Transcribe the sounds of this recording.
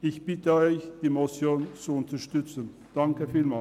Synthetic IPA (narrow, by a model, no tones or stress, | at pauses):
ɪçb̥ɪt̪əɔʏçd̥̪iːmɔsjoːnt͡suʊnt̪əʃtʏtt͡sən | d̥̪ɑŋkəfiːlmɑ